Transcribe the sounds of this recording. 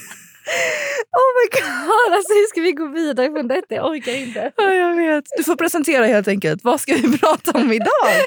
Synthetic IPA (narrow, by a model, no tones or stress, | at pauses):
ɔmaɡɑd̪alsɔhʉʂkavɪɡoːviːd̪aɾəfɾɔnd̪ɛt̪ːaja̰ʔɔɾkaɾɪnt̪əɔjɑːɡveːt̪d̪ɵfoːɾpʰɾɛsɛnt̪ʰeːɾaheːlt̪ɛŋkəlt̪vaskavɪpʰɾɑːt̪aɔmɪd̪ɑː